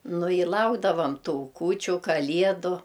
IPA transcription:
ˈnʊ ɪ ˈlˠɐʊɡdɐʋɐm ˈtuː ˈkuːt͡ʃʲʊ ˈkɑːlʲiɛdʊ

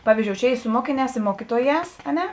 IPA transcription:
ˈpɑːʋʲiːzʲˌd͡ʒʲoːʊ ˈt͡ʃʲɛ ˈiː sʊ ˈmoːkʲɪˌnʲɛːs ɪ ˈmoːkʲɪtuɔˌjɛːs ɐ ˈnʲɛ

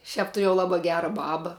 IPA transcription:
ˈʃʲɛp tʊˈrʲeːjɛʊ ˈlˠɑːbɐ ˈɡʲæːrɐ ˈbɑːbɐ

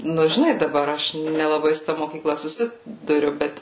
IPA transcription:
ˈnʊ ʒʲɪˈnɐɪ dɐˈbɐr ˈɐʃ nʲɛlˠɐˈbɐɪ sʊ ˈtɐ moːkʲiːˈklˠɐ sʊˈsʲɪ dʊˈrʲʊ ˈbʲɛt

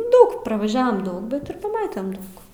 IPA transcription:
ˈdɐʊk prɐʋɐˈʒʲæːʋɐm ˈdɐʊk ˈbʲɛt ɪr pɐˈmɑːtʲɛm ˈdɐʊk

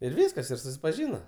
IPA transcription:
ɪr ˈʋʲiːskɐs ɪr sʊsʲɪpɐˈʒʲiːnɐ

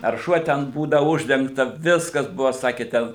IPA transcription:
ɐr ˈʃuɔ tʲɛn ˈbuːdɐ ˈʊʒʲdʲɛŋktɐ ˈʋʲɪskɐs ˈbʊʋoː ˈsɑːkʲeː tʲɛn

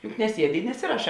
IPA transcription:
jʊk nʲɛˈsʲiɛdʲɪ ɪ nʲɛˈsʲɪrɐˌʃɑː

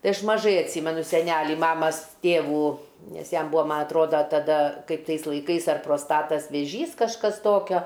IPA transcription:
ˈtɐɪ ˈɐʃ mɐˈʒɐɪ ɐtʲˈsʲiːmʲɛnʊ sʲɛˈnʲælʲiː ˈmɑːmɐs ˈtʲeːʋuː ˈnʲɛs ˈjɛm ˈbuːɐ ˈmɐ ɐtˈroːdɐ tɐˈdɐ kɐɪp ˈtɐɪs lˠɐɪˈkɐɪs ɐr proːsˈtɑːtɐs ʋʲeːˈʒʲiːs kɐʃˈkɐs ˈtoːkʲoː

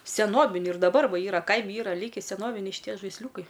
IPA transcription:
sʲɛˈnoːbʲɪnʲʊ ɪr dɐˈbɐr ˈʋɐ ˈiːrɐ ˈkɐɪmʲɪ ˈiːrɐ ˈlʲiːkʲɪ sʲɛˈnoːʋʲɪnʲɛɪ ʃʲɪˈtʲiɛ ʒɐɪsʲˈlʲuːkɐɪ

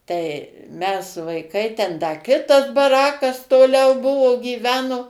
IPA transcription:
tɐɪ mʲɛs ʋɐɪˈkɐɪ tʲɛn dɐ ˈkʲɪtɐs bɐˈrɑːkɐs toːˈlʲɛʊ ˈbʊʋoː ɡʲiːˈʋʲæːnoː

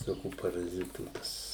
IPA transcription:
ʋʲɪˈsoːkʲuː pɐrɐˈzʲɪtuː ˈpɐs

